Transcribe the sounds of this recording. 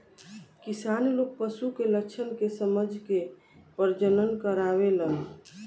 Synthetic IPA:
kisanlok̚pəsukeləkt͡ʃʰənkesəməd͡ʒʱke | pəɾd͡ʒənənkəɾaβelən

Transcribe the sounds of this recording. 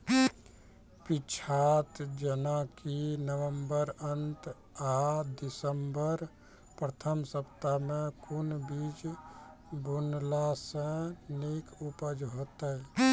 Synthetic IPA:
pit͡ʃʰaːt̪d͡ʒənakinəwəmbəɾənt̪ | ad̪ɪsəmbəɾ | pɾət̪ʰəmsəpt̪amẽkʊnbid͡ʒ | bʊnlasẽnikupəd͡ʒɦot̪ə

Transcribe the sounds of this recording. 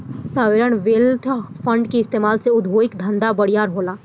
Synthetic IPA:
saːʋeːɾəɳ̃ʋeːlt̪ʰfʰə̃ɳɖkiɪst̪eːmaːlseʊd̪ʱʋoːɪkd̪ʱə̃nd̪abəɽijaːɾɦoːlaː

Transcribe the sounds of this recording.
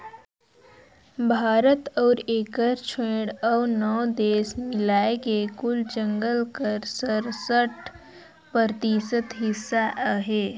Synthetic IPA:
bʱaːɾət̪ɔːɾeːkəɾt͡ʃʰwẽːɽɔːnɔːd̪eːsmɪlaːekekʊld͡ʒə̃ŋɡəlkəɾsəɾsəʈ | pəɾt̪iːsət̪ɦɪsːaʔɦeː

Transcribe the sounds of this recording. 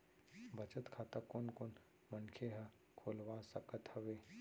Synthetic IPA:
bət͡ʃət̪kʰaːt̪akonkon | mənkʰeɦə | kʰoːlʋaːsəkət̪həʋeː

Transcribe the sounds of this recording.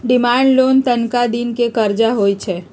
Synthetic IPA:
ɖɪmãːɳɖloːnt̪ənkad̪ɪnkekəɾd͡ʒaɦoːit͡ʃʰe

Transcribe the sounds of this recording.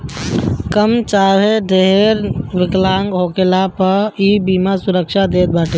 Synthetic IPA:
kəmt͡ʃaːɾeɖeɦɾʋɪklaːŋɡɦoːkelapəiːbiːmasʊɾəkʃad̪eːt̪̚baːʈe

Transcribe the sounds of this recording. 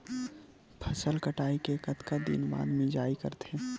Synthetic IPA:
pʰɐsəlkəʈaːikekɐt̪kad̪ḭnba̰ːd̪mẽd͡ʒaːikɐ̰ɾt̪ẽː

